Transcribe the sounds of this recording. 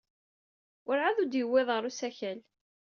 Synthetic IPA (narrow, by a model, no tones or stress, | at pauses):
ʔʊɾʕaðud̪jəwːɪðˤʁəɾusæçæl